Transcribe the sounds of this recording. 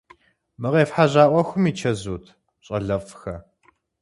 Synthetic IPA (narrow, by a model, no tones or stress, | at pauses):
mɨʁeːfħaʑaːʔʷɐxʷʊmiːt͡ʃʰɐzuːtʰ | ɕʼɐɮɐfxɐ